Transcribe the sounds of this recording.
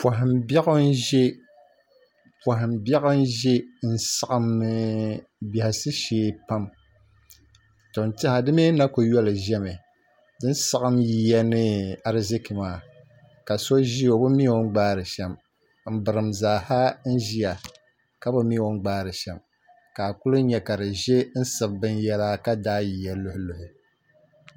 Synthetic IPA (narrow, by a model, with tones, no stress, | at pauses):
pwa˨ɦɪ˨mbɛ˦ɣɨ˦n˦ʒe˦ | pwa˨ɦɪ˨mbɛ˦ɣɨ˦n˦ʒe˦n̩˦sa˦ʔɨ˦mːɨ˨˦ | bɛ˨hɪ˨sɨ˦ʃeː˨˦pa˦m | to˨ntɪ˦ha˨dɨ˦me˦na˦kʊ˨jɔ˦lɨ˨ʒɛ˦mɨ˨ | dɨ˦n˦sa˦ʔɨ˦mji˨˦jɛ˦nɨ˦a˦ɾzɪ˦ki˨maː˦ | ka˨so˦ʒi˦o˨˦bʊ˦mi˦o˦ŋ˦ɡ͡baː˦ɾɨ˨ʃɛ˨m | m̩˦bɨ˨ɾɨ˨mzaː˨ha˦n̩˦ʒi˦a˨ | ka˦bʊ˦mi˦˨o˦ŋ˦ɡ͡baː˦ɾɨ˨ʃɛ˨m | ka˨kʊ˦lʊ˦ɲɛ˦ka˨ɾɨ˨ʒe˦n̩˦sɨ˨bbɨ˦njɛ˦la˦ka˦daː˦ji˨ja˦lʊ˦hʊ˦lʊ˨hʊ˨